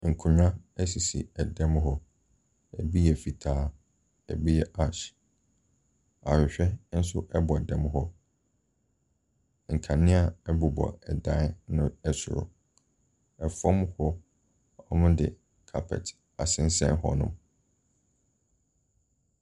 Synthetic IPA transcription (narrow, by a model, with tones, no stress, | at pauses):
ŋ̩˨kʰʊ̃˨ɲᶣã˦ɛ˦si˨sḭ˨ɛ˨dɛ̃˦mɦɔ˦ | ɛ̰˨bi˦jɛ˨fi˨tʰaː˦ | ɛ̰˨bi˦jɛ˨ʔa˨ʃ | a˨hᶣɪ˨ɕᶣɛ˦n̩˦sʊ˦ʔɛ˦bɔ˨ɛ˨dɛ̃˦mɦɔ˦ | ŋ̩˨kʰã˨nɪ̃˦a˦ɛ˦bu˨bɔ̰˨ɛ˨dã˦nʊ̃˦ɛ˨sʊ˨ɾʊ̰˨ | ɛ˨fɔ̃˦mhɔ˦ | ɔ˦mʊ̃˦dɪ̰˨ | kʰa˨pʰɛ̰˨t | a˨sɪ̃˦n̩˦sɛ̰̃˦nhɔ̰˦nʊ̰̃˨m